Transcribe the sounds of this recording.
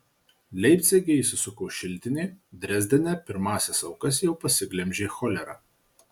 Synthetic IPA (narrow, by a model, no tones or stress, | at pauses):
lʲɛɪpʲt̪sʲeɡʲɛisʲʊsʊkoːʃʲɪlʲˑt̪ʲɪnʲeːd̪ʲɾʲɛzʲd̪ʲɛnʲɛpʲɪɾmɑːsʲɛsɐʊkɐs̬jɛʊpɐsʲɪɡlʲɛmʲʒʲexɔːlʲɛɾɑ̰ː